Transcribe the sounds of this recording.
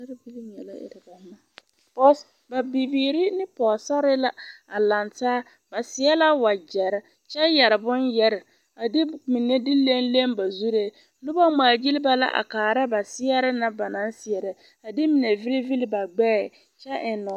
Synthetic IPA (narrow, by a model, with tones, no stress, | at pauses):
a˦ɾbi˦li˦ɲɛ˨la̰˦ɪ̰˨ɾɪ˨ka˨˦ma˦˨ | pɔ˦s | ba˨bi˨biː˨ɾi˦nɪ˦pɔ˨sa˦ɾɪ˦la˦a˨la˨ntaː˦ | ba˨sɪ˨˦ɛ˦la˦wa˨d͡ʒɛ˨ɾɪ˦ | t͡ʃɛ˦jɛ˨ɾɪ˨bʊ˦njɛ˦ɾɪ˨ | a˨dɪ˦mi˨ne˦di˦le˦n˦le˦mba˨zu˦ɾe˦ | lʊ˦ba˦maː˨d͡ʒi˦lɪ˦ba˦la̰˦ʔa̰˨kaː˨ɾa˦ba˨sɪ˦ɛ˦ɾɪ˦na˦ba˨na˦nsɪ˨ɛ˨ɾɪ˨ | a˨dɪ˦mɪ˨ne˨vi˦li˦vi˦li˦ba˨ɡ͡bɛː˦˨ | t͡ʃɛ˦ʔɪ˨nɔ˨